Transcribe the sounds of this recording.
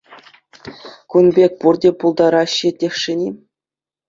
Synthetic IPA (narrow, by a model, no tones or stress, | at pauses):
kunbʲek̚ʲpurdʲepulˠd̪ɑɾɑɕːitʲːexʂĕnʲi